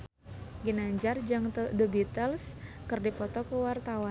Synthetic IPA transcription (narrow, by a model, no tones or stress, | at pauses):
ɡinaɲd͡ʒard͡ʒaŋədəbit̪əlskərdipɔt̪ɔkəwart̪awan